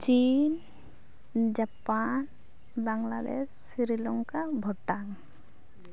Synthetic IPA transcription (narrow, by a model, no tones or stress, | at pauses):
t͡ʃin | d͡ʒapan | baŋla̰d̪ḛsːiɾilɔŋkabʱɔʈːaŋ